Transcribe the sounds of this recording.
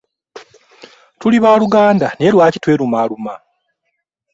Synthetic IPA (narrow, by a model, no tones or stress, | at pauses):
tuliβaːluɡaːndane̞ːlwaːcitwe̞ːɾumaːluma